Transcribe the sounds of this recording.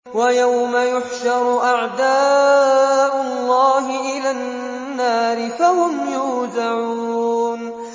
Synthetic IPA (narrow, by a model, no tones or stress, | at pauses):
wajawmajʊħʃɑɾˤʊʔaʕd̪aː | ʔʊlˤːɑːɦɪʔɪlanː | aːɾɪfahʊmjuːd̪aʕuːn